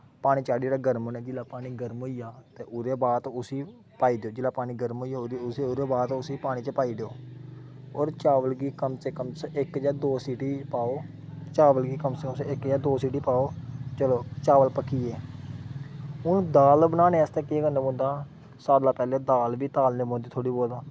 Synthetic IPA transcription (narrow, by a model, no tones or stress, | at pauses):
paːɽ̃iːt͡ʃaːɽiːɾaːɡəɾmoːneːd͡ʒɪlaːpaːniːɡəɾmɦoːijaːt̪eːʔʊɾeːbaːt̪ʊsiː | paːiːd̪eoːd͡ʒɪlaːpaːniːɡəɾmɦoːiːjaːɾseʊɾeːbaːt̪ʊsiːpaːɽ̃iːt͡ʃəpaːiːd̪eːoː | oːɾt͡ʃaːʋəlɡiːkəmsekəmsɪkd͡ʒaːd̪oːsiːʈiːpaːoː | t͡ʃaːʋəlɡiːkəmsəkəmsɪkd͡ʒaːd̪oːsiːʈiːpaːoːt͡ʃəloːt͡ʃaːʋəlpəkʰːiːeː | ʊnd̪aːlbənaːnẽːɛːst̪eːkeɡənẽːbõːnd̪aː | saːɾlaːpɛːleːd̪aːlʋiːt̪aːlneːbõːnd̪iːt̪ʰoːɽiːboːld̪aː